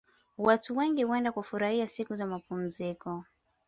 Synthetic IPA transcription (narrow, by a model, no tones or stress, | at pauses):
watuwɛŋɡiwɛndakufuɾahiasikuzamapum̩zikɔ